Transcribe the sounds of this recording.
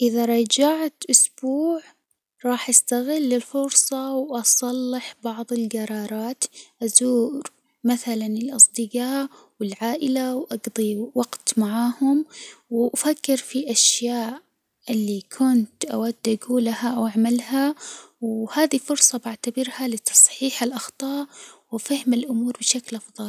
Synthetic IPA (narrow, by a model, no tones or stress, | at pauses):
ʔɪðaɾˤɑd͡ʒaʕat̪ʔʊsb̥uːʕ | ɾˤɑːħʔast̪aɣɪlːɪlfʊɾsˤɑwʔɑsˤɑlːɪħbɑʕðˤɪlɡɑɾˤɑːɾˤɑːt̪ʔazuːɾ | maθalanɪlʔɑsˤd̪ɪɡɑː | wɪlʕaːʔɪlawʔɑɡd̪ˤiwɑɡt̪maʕaːhʊmwʔafakːɪɾfiʔaʃjaːʔ | ɪlːikʰʊnt̪ʔa̰wad̪ːʔaɡuːlahaʔawʔaʕmalha | whaːd̪ifʊɾsˤɑbaʕt̪abɪɾhalɪt̪ʰɑ̥sˤħiːħalʔɑxt̪ˤɑːʔwfahɪmalʔʊmuːɾbɪʃaklʔɑfðˤɑl